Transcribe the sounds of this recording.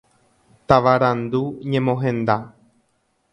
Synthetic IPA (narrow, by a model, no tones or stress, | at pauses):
t̪aʋaɾãnd̪uɲẽ̞mõɦẽ̞nd̪a